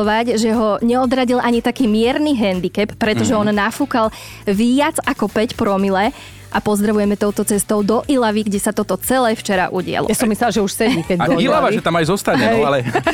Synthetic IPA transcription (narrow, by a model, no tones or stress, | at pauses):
ʋaɟʒɛɦɔɲɛɔd̪ɾaɟilʔaɲit̪akiːmɪɛɾniɦɛnd̪ikɛpːɾɛt̪ɔʒɛɔnnafukal | ʋiad͡zakɔpɛcpɾɔmilɛ | ʔapɔzd̪ɾaʋujɛmɛt̪ɔʊt̪ɔt͡sɛst̪ɔʊd̪ɔʔilaʋiɡɟɛsat̪ɔt̪ɔt͡sɛlɛːft͡ʃɛɾa̰ʔuɟɪa̰lˠɔ̰jasɔmislɛlʒɛuʃsɛiːkɛailaʋaʒɛt̪amajzɔst̪aɲɛɛjalɛ